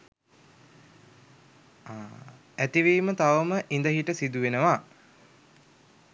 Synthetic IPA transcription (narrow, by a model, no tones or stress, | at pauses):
æt̪iʋiːmət̪aʋəməʔind̪əɦiʈəsid̪uʋenəʋa